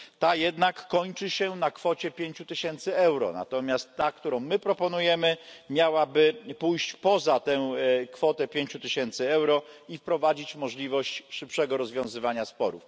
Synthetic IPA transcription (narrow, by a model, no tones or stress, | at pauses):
t̪ajɛd̪nakːɔɲt͡ʂɘɕɛnakfɔt͡ɕɛpʲjeɲt͡ɕut̪ɘɕɛnt̪sɘɛwɾɔ̰na̰t̪ɔmʲjast̪ːakt̪uɾɔ̃w̃mɘpɾɔpɔnujɛmɘmʲjawabɘpujɕt͡ɕpɔzat̪ɛkfɔt̪ɛpʲjeɲt͡ɕut̪ɘɕɛnt̪sɘɛwɾɔifpɾɔvad͡ʑit͡ɕmɔʐlʲivɔɕt͡ɕʂɘpʂɛɡɔɾɔzvʲjɔ̃w̃zɘvaɲaspɔɾṵf